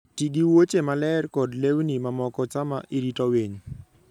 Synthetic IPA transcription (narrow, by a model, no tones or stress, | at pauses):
tiɡiwot͡ʃemalɛrkɔdlewnimamɔkɔt͡ʃama̰ʔiɾitɔweɲ